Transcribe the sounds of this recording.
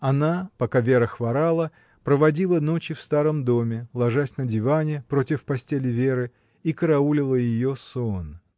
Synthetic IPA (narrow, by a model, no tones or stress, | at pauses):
ɐnapɐkavʲeɾəxvɐɾalˠə | pɾəvɐdʲilˠəno̞t͡ɕɪfst̪aɾəmd̪o̞mʲɪlˠɐʐasʲnədʲɪvanʲɪpɾo̞tʲɪfpɐsʲtʲelʲɪvʲe̞ɾɨ | ikəɾɐulʲɪlˠəjɪjo̞son